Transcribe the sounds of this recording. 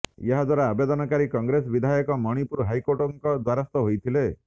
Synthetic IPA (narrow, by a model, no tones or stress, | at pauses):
eɦad̪waɾaːbed̪ɔnɔkaɾikɔŋɡɾesɔbid̪ʱajɔkɔmɔɽ̃ipuɾɦajkoʈɔŋkɔd̪waɾast̪ɔɦojt̪ʰile